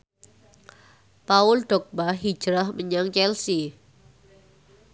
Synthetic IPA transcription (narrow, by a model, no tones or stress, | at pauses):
paʊlɖ̥ɔk̚baɦi̥ʒ̥ɾəhməɲaŋt͡ʃɛlsi